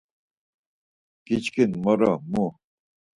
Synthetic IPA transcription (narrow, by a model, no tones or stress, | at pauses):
kit͡ɕkinmɔɾɔmu